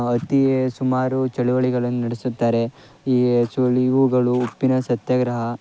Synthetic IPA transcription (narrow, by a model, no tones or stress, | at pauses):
ɐt̪iesumaːɾut͡ʃɐɭuʋɐɭiɡɐɭɐnːunɐɽesut̪ːaːɾe̞ | iːsoɭiʋuɡɐɭuːpːinɐsɐt̪jɐɡɾɐɦɐ